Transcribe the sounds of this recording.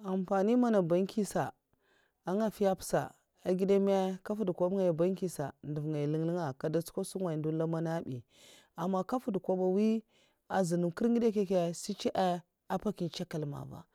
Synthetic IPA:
a˨mpa˨ni˦ma˦na˨ba˨˦ŋkʰi˦sa˨ | a˦ŋa˦˨fi˦ja˦psa̰˨ | a˨ɡi˦da˦m˦a˦ka˦fu˦dkʷa˦bŋa˨ja˨ba˦ŋki˦sa̰˨ndu˨vŋa˨li˦ŋli˦ŋa˨ka˨da˦t͡su̥˦ko˦su˦ŋwa˨ndu˦la˦ma˦na˦bḭ˨ | a˨mːa˦ka˦fu˦dkʷa˦ba˨wi˦ | a˨zi˨nu˨mki˦ɾɡi˦da˦ke˦ke˦si˦t͡ʃi˦ʔa˦ | a˦pa˦ki˨t͡ʃa˦ka˨lma̰˨va̰˨

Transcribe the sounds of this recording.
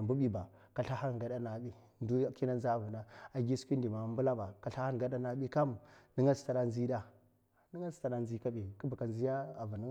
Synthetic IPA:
a˨mbu˦ɓi˨ba˨ | ka˨ɬa˦ha˦n˨ɡa˨da˦na˨ɓi˦ | ndu˦ki˦na˦nza˦˨vu˨na˦a˨ɡi˦su̥˦kʷi˦ndi˨ma˨˦mbu˦la˦ba˨ka˨ɬa˦ha˦n˨ɡa˨da˦na˨ɓi˦ka˦mni˦ŋɡa˦sta˨ɾa˦nzi˦da˦ | ni˦ŋa˦sta˨ɗa˦nzi˦ka˦bi˨ki˦ba˨ka˨nzi˦ja˦a˨vu˨ni˦

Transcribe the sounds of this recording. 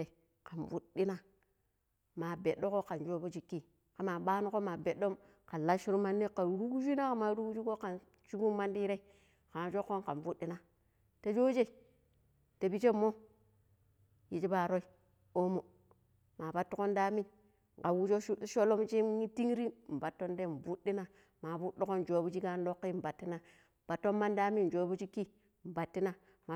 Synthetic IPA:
e˨ | ka˨nvu˦ɗi˦na˦ | ma˨be˨ɗo˦ko˦ka˨nd͡ʒo˦bo˦d͡ʒi˨kːi˦ | ka˨ma˨ɓa˦nu˦ko˦ma˨be˨do˦m | ka˨la˦ʃi˦ɾu˦ma˦nːi˦ka˨ɾu˦ɡd͡ʒi˦na˦ka˨ma˨ɾu˦ku˦d͡ʒi˦ko˦ka˨n | t͡ʃu˦bu˦ma˦ndi˦ɾe˦ | ka˨ma˨d͡ʒo˦kːo˦ka̰˨nvu˦di˦na˨ | ta˨d͡ʒo˦d͡ʒe˦ | te˨bi˦t͡ʃe˦mːo˦ | ji˨t͡ʃi˦ba˨ɾo˦i˦ | o˦mo˨ | ma˨ba˨tːu˦ko˦nda˦mi˦n | ŋ˨ka˨wu˦d͡ʒo˦ʃu˦ʃo˦lo˦mt͡ʃi˦i˦ti˦ŋ˦ɾi˦˨m̩˨ba˨tːo˦nde˦˨m˨vu˦di˦na˦ | ma˨bu˦ɗi˦ko˦n˨d͡ʒo˨˦bu˦d͡ʒi˦ɡa˦n˦lo˦kːi˦˨m˨ba˨tːi˦na˨ | b̥a˨tːo˦mma˦nda˦mi˦n˨d͡ʒo˦bu˦d͡ʒi˦ki˦˨ | m̩˨ba˨tːi˦na˦ | ma˨

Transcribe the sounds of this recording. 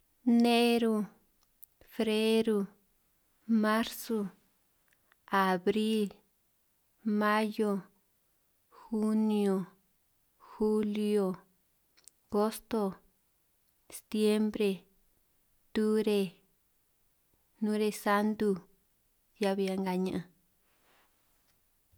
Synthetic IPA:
nẽ˦ɾu˧ | fɾe˦ɾu˧ | mã˦ɾso˧ | a˨βɾi˦l | mã˦jo˧ | xu˦nij̃o˧ | xu˦li˧o˧˨ | ɡo˦st̪o˧ | st̪je˦mbɾe˧ | t̪u˦ɾe˧ | nũ˦ɾe˧sa˦nd̪u˧ | ja˧βi˧a˧ŋɡa˧ɲã˧˨ʔã˧

